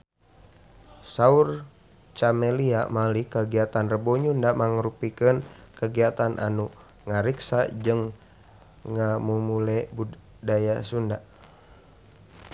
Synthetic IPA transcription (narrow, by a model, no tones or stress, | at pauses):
saur | t͡ʃamɛliamalikəɡiat̪anrəbɔɲundamaŋəɾupikənkəɡiat̪anʔa̰nu | ŋaɾiksad͡ʒɨŋ | ŋamumulɛbu | dajasunda